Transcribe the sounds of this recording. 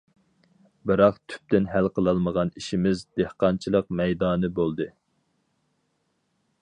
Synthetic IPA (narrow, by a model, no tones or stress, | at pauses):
bɨɾɑqt̪ʰy̥p̚t̪ɪnɦælqʰəlˠɑlˠməʁɑniʃimɪzd̪ehqɑnt͡ʃʰilˠəqmɛjd̪ɑːnɨbolˠd̪ɨ